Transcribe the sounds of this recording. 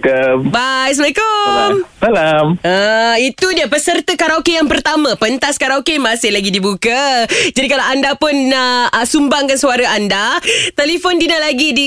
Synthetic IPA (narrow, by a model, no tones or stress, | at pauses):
kombajs̬məɛkomsalaməit̪udiapəsərt̪əkaɾawkejaŋpərt̪amãpənt̪askaɾakemasɪhlaɡidibukad͡ʒadikalawʔandapʊnasumbaŋkansuaɾaandat̪ɛlifɔndinalaɡidi